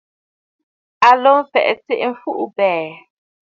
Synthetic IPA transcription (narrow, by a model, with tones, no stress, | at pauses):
a˨lo˦m˦fɛ̰˨ʔt͡se˦ʔɱ̩˨˦fu˦ʔbɛː˨